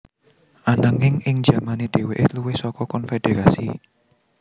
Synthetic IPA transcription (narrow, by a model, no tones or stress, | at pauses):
ʔanəŋɪŋɪŋ̥d͡ʒa̤maned̪̥e̤weʔeluwɪhsɔkɔkɔnfed̪̥eɾasi